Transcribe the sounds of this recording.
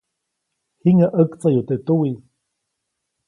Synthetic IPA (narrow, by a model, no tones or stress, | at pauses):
hiŋaʔəkt͡sajut̪et̪uwi